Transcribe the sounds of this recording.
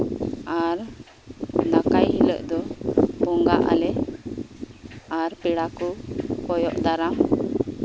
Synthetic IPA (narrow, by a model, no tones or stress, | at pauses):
aɾ | nakajɦilə̰ʔd̪ɔbɔŋɡaʔa̰lɛ | aɾpɛɽakukɔjɔʔd̪aɾam